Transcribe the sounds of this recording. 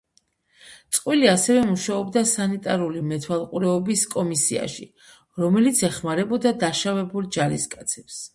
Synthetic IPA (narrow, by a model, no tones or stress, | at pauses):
t̪sʼqʼwiliasɛvɛmuʃaɔbd̪asanit̪ʼaɾulimɛt̪ʰwalˠqʼuɾɛɔbiskʼɔmisia̰ʃḭ | ɾɔmɛlit̪sʰɛχmaɾɛbɔd̪ad̪aʃavɛbulˠd͡ʒaɾḭskʼat̪sʰɛps